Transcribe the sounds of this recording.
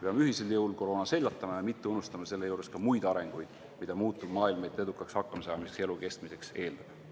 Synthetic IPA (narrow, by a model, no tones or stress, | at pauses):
peɑmeyɦise̞ljɤwlko̞ɾo̞ːnɑse̞lʲːɑt̪ːˑɑmɑjɑmit̪ːeunust̪ɑmɑse̞lːe̞juːɾe̞skɑmujd̪̥ɑɾe̞ŋɡ̥ujd̪̥ | mid̪̥ɑmuːt̪ːˑubmɑːilmɑjt̪ːˑe̞d̪ukˑːɑkshɑkːɑmɑsɑːmise̥keluke̞st̪mise̞kse̞ːld̪̥ɑd̥̪